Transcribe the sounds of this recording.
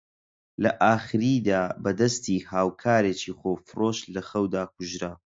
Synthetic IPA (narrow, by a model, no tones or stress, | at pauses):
lɐʔaːχɨɾiːd̪aːbɐd̪ɐst̪iːhaːwkʰaːɾeːt͡ʃiːχoːfɨroːʃlɐxɐwd̪aːk̚ʊʒɾa